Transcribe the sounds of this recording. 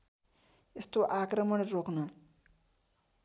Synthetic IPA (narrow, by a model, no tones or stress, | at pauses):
est̪oʔakɾʌmʌɽ̃roknʌ